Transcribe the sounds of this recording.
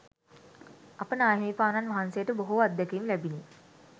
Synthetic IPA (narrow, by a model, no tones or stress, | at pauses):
apənaːɦeːpaːnanʋaɦansejəʈəboɦuad̪ːəkeimlæbine